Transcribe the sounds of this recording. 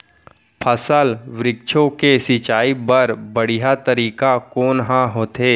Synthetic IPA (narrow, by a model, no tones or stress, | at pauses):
pʰəsəlʋɾɪk̚t͡ʃʰõkesɪt͡ʃaːibəɾbəɽ̤ijat̪əɾiːkakoːnɦãɦoːt̪eː